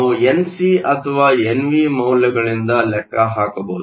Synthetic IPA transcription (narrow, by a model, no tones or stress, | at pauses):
uensiʔɐt̪ʰɐʋaːenʋimɐwljɐɡɐɭind̪ɐlɛkːɐɦaːkɐboːd̪